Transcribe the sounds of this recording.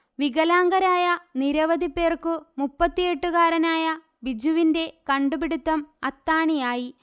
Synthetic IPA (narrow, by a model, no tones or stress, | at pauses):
ʋiɣɐlaːŋɡɐɾaːjɐniɾɐʋɐd̪ʱipːeːrkɨmupːɐt̪ːijeʈːuɣaːɾɐnaːjɐ | bid͡ʑuʋinde̞kɐɳɖupiɽut̪ːɐmɐt̪ːaːɳijaːji